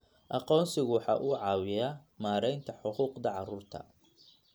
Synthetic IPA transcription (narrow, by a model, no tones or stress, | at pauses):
ʔɑqɔːnsɪɣʊwɑħɑ̰ːʔuːʕɑːwɪjaː | maːɾɛjnt̪ʰɐħʊquːqd̪ɐʕɑruːrt̪ʰɐ̰